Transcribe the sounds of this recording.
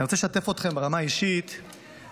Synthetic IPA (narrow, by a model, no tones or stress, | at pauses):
iʁot͡seleʃat̪efot̪χe̞mbeʁamaiʃit̪